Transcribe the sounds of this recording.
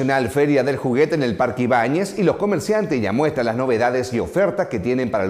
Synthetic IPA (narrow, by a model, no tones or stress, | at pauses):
onalfeɾjaðe̞lxuɣet̪eːnelpaɾkiβaɲesilosko̞meɾsjant̪esʝa̰mwe̞st̪ɾalazno̞βe̞ðaðesio̞feɾt̪aske̞t̪jene̞mpaɾal